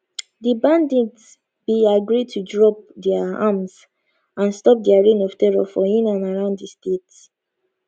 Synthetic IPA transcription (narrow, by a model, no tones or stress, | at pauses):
dibãndid | b̥iaɡɹid̚tʰudɹɔp̚dɛaamz | ãnstɔp̚dɛaɹẽnɔv̥tɛɹɔ̰fɔĩnãnaɹãʊ̃nddistet